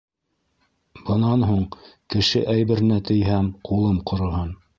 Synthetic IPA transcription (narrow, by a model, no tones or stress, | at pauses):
bɤ̆nɑnɦuɴkɘ̆ʃɘʔæjβɘ̆ɾ̆næt̪ɘ̆jɦæmqʰulˠɤmqŏɾŏɦɤn